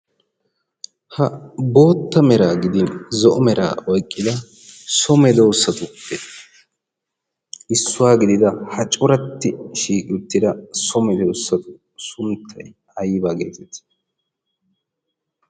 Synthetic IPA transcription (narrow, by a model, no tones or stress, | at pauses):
hɐbo̞ːt̪ːɐmɛɾaːɡɪd̪ɪnzɔʔɔmɛɾa̰ːɔjkʼːɪd̪ɐ | sɔmɛd̪ɛʊsːɐt̪ʊpːɛ | ɪsːʊwaːɡɪd̪ɪd̪ɐhɐt͡ʃʼʊɾɐt̪ːɪʃiːkʼɪʊt̪ːɪd̪ɐsɔmɛd̪ɛʊsːɐt̪ʊ̥ | sʊmt̪ʰːɐj | ɐjːbaːɡe̞̰ːt̪ɛt̪